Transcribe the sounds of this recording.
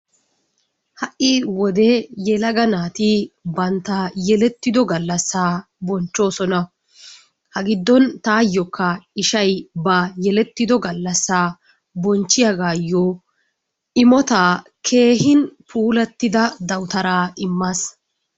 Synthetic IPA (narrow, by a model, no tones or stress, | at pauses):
hɐʔɪwɔd̪ɛjɛlɐɡɐnaːt̪ɪbɐnt̪ajɛlɛt̪ːɪd̪ɔɡɐlːɐsːaː | bɔnt͡ʃːo̞ːsɔnɐ | hɐɡɪd̪ːɔnt̪aːjːɔkːɐɪʃɐjbɐjɛlɛt̪ːɪd̪ɔɡɐlːɐsːaː | bɔnt͡ʃːɪjɐɡaːjːɔ | ʔɪmɔt̪aːkʰe̞ːɦɪnpʰuːlɐt̪ːɪd̪ɐd̪ɐwt̪ɐɾaːɪmːas